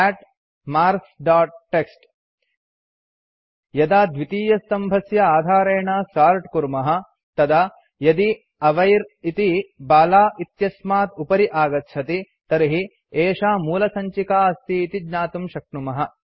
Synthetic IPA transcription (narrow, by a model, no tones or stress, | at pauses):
ɛːʈ | maːɾsɖaːʈ̚ʈːeksʈ | jɐd̪aːd̪ʋit̪iːjɐst̪ɐmbʱɐsjɐaːd̪ʱaːɾeːɳaːsaːɾʈkuɾmɐɦɐ̆ | t̪ɐd̪a | jɐd̪i | ɐʋɐjɾit̪ibaːlaːʔit̪jɐsmaːt̪upɐɾiʔaːɡɐt̪ʃʰɐt̪i | t̪ɐɾiɦi | eːʂaːmuːlɐsɐɲt͡ʃikaːɐst̪iːt̪id̪ɲaːt̪umʃɐk̚ɳumɐɦɐ̆